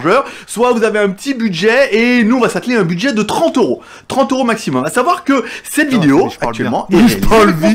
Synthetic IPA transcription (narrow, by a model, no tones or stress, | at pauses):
ʒœʁswavuzaveɛ̃pət̪ibyd̪ʒɛenuɔ̃vasat̪leɛ̃byd̪ʒɛd̪ət̪χɑ̃t̪øʁo | t̪χɑ̃t̪øʁomaksimɔmasavwaʁkəsɛt̪vid̪eoak̪yɥɛlmɑ̃ɛpalvi